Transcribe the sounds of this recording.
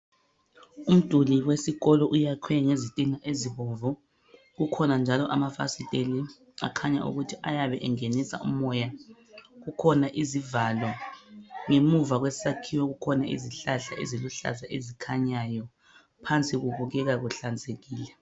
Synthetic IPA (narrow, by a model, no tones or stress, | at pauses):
um̩d̥ʼʱuliwesiɣɔlɔʔujakʰwɛŋezitʼiŋaʔeziβɔvɔ | ɣukʰɔnand͡ʒʱalɔʔamafa̰sitʼeli | a̰kʰaɲa̰ʔṵɣutʰiʔajaβɛʔɛŋenisa̰umɔja | ɣukʰɔnaʔizivalɔ | ŋemuvaɣwesakʰiwɔɣukʰɔnaʔḭziɬaɬa̰ʔḛziluɬa̰zaʔezikʰaɲajɔ | pʰant͡sʼiɣuβuɣɛɣaɣuɬand͡zʱʼeɣiːlɛ